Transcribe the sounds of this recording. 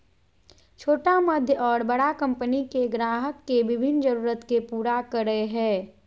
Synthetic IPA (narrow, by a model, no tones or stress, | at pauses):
t͡ʃʰoːʈaməd̪ʱjəʔɔːɾbəɽakɐ̃mpənikeɡɾaːɦəkːeʋɪbʱɪnːd͡ʒəɾuːɾət̪kepuːɾakəɾəeɦɛ̃ː